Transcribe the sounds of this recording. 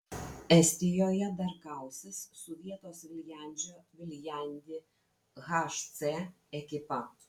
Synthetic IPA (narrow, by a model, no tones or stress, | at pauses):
ɛsʲt̪ʲɪjoːjɛd̪ɐɾkɑˑʊsʲɪssʊʋʲiɛt̪oːsʋʲɪlʲjæˑnʲˑd͡ʒʲoːʋʲɪlʲjɛˑnʲd̪ʲɪ | ɣɐʃt̪se | ɛkʲɪpɐ